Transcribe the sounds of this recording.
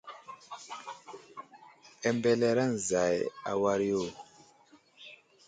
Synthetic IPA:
ɛ˨mbɛ˦˨lɛ˦ɾa˦n˨za˨ja̰˨wa˦ɾi˦o˦˨

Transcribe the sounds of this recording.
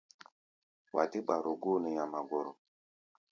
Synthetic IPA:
wa̰˨ti˦ɓa˨ɾo˨ɡo˦ne˨ja˨ma˨ɡo˨ɾo˨

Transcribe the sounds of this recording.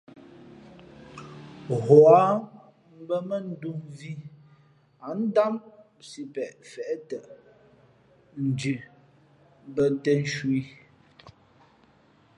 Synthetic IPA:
ɣɔ˨a˨˦ | m̩˦bə˦mə˦n̩˨˦du˦ŋvi˦ | a˨˦n̩˦da˦m | si˦pɛ˨ʔfɛ˨ʔtə˨ʔ | n̩˨d͡ʒʉ˨ | bə˦tɛ˦n̩˦ʃwi˦

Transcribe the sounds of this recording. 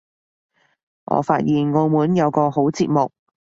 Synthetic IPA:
ŋʔɔ̰ː˨˧faː˧t̚jiː˨nŋo˧wmuː˨˥njɐ˨˧wkɔː˧ho˨˥wt͡siː˧t̚mʊ˨k̚

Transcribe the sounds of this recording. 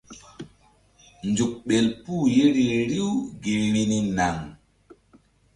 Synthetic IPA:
nd͡ʒu˨k̚ɓe˨lpuː˦˨je˦ɾi˨ɾi˦wɡi˨ɾi˦ni˦na˨ŋ

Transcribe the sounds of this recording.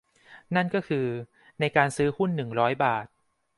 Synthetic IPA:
na˥˩nkɔː˥˩kʰɯː˧ | na˧jkaː˧nsɯː˦˥hu˥˩nːɯ˨˩ŋɾɔː˦˥jbaː˨˩t̪̚

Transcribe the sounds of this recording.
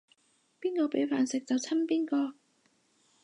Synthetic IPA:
piː˥nkɔː˧pe˨˥jfaː˨nsɪ˨k̚t͡sɐ˨˩wt͡sʰɐ˥npiː˥nkɔː˧

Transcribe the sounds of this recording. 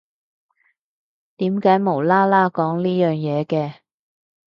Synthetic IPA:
t̪iː˨˥mkaː˨˥jmo˨˩wlaː˥laː˥kɔː˨˥ŋliː˥jœː˨ŋjɛː˨˧kɛː˧

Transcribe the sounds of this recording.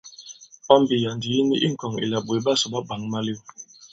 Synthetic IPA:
ɔ˦m˦bi˨ja˨ndi˨ji˦ni˦ʔi˦ŋ̩˨kɔ˨ŋḭ˨la˨ɓwe˨˦ba˦sɔ˨ɓa˦ba˨ŋma˦li˦˨w

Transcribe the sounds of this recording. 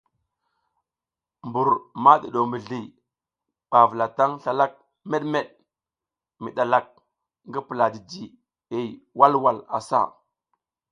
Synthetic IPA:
mbu˨ɾma˦ɗi˨ɗo˨mbə˨ɮi˨ | ɓa˨və˨la˨ta˦ŋɬa˨la˦k̚ | me˦ɗme˦ɗ | mi˨ɗa˨la˨k̚ | ŋɡi˦pə˨la˨di˨d͡ʒi˨ | e˨wa˦lwa˨la̰˨sa̰˦

